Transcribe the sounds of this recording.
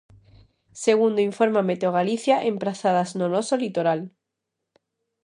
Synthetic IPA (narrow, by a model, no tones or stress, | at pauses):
seɣ̞und̪oiɱfo̞ɾmame̞t̪eoɣ̞aliθjaʔempɾaθaðaznonosolit̪oɾal